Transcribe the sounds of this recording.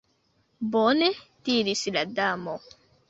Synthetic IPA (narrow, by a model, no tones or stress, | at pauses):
bonetiɾisladamo